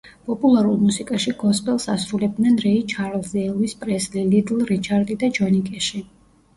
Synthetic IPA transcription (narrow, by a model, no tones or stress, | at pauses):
pʼɔpʼulˠaɾulˠmusikʼaʃiɡɔspʼɛlˠsasɾulɛb̚d̪nɛnɾɛit͡ʃʰaɾlˠzɛːlˠwispʼɾɛslilid̪lˠɾit͡ʃʰaɾd̪id̪ad͡ʒɔnikʼɛʃi